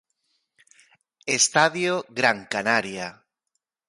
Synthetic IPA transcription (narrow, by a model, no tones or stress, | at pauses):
est̪aðjoɣɾaŋkanaɾja